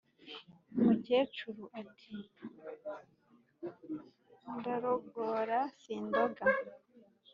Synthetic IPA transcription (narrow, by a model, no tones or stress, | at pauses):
umuceːt͡ʃuɾuʔatʰi | ndaɾoɡoɾasiːndoɡa